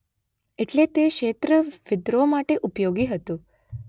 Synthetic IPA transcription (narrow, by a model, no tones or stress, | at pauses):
eʈlet̪ekʃet̪ɾəʋɪd̪ɾomaʈeʔupjoɡiɦət̪ũ